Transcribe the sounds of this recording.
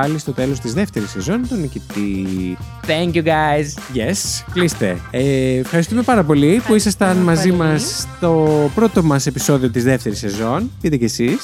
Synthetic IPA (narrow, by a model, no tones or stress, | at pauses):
ɐlist̪o̞t̪e̞lo̞st̪izðe̞ft̪e̞ɾisːe̞zo̞nt̪o̞nicit̪i | θɛŋkjuɡaɪzʝesklist̪e̞̰efxɐɾist̪ume̞pɐɾɐpo̞lipuisɐst̪ɐnmɐzimɐst̪o̞pɾo̞t̪o̞mɐse̞piso̞ðio̞t̪izðe̞ft̪e̞ɾisːe̞zo̞nt̪iit̪ecesis